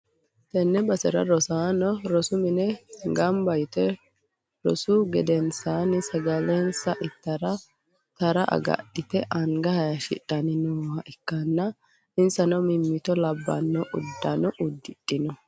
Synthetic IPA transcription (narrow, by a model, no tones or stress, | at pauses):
t̪ɛnːɛbɐsɛɾɐ̰ɾɔsaːnɔɾɔsʊmɪnɛɡɐmbɐjt̪ɛ | ɾɔ̰sʊɡɛd̪ɛnsaːnɪsɐɡɐlɛnsɐʔɪt̪ːɐɾɐ | t̪ɐɾɐʔɐ̰ɡɐ̰ɗɪt̪ɛʔɐŋɡɐhɐjɐʃɪ̰ᶑʼɐnɪnuːhɐʔɪkːɐnːɐ | ɪnsɐnɔmɪmːɪt̪ɔlɐbːɐ̰nːɔʔʊd̪ːɐnɔʔʊd̪ːɪɗʼːɪnɔ